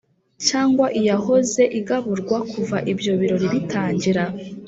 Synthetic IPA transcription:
t͡ʃaːŋɡwaʔijaɦo̞ze̞ʔiɡaβuɾɡwakʰuvaʔibjo̞βiɾo̞ɾiβitʰaːɲɟiɾa

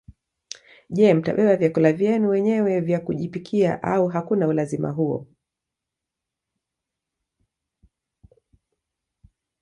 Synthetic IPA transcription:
ʄɛm̩ta̰ɓɛɓavjakulavjɛnuwɛɲɛwɛvjakuʄipikʰia̰ʔauɦakunaulazima̰ɦuɔ̰

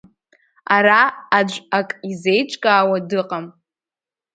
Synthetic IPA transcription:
aɾaːd͡ʒʷakʼize̞jt͡ʃʷʼkʼaːwadɨqʼam

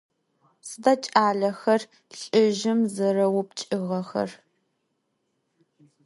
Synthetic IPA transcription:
sɨdɐt͡ʃʼaːɮɐxɐr | ɬʼɪʒɪmzɐrɐwʊp̚t͡ʃʼɪʁɐxɐ̰r

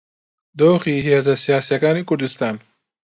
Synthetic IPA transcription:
d̪oːχiɦijazɐsijɑːsjakɑːnikuɾd̪ist̪ɑːn

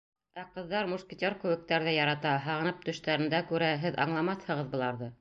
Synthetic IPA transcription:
æqɤ̆ðːɑɾmuskʲit̪ʲoɾkɵ̆wɘ̆k̚t̪æɾðɘjɑɾɑt̪ɑɦɑʁɤ̆nɤp̚t̪ɵ̆ʃt̪æɾɘ̆nd̪ækʉɾæɦɘðɑ̰ɴlˠɑmɑθhɤ̆ʁɤ̆ðbŏlˠɑɾðɤ

